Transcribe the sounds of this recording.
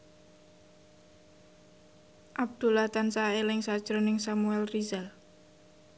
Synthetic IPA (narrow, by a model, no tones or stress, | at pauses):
ʔab̚d̪̥ṳlat̪ansaelɪŋsad̥ʒ̥ɾonɪŋsamuɛlrizal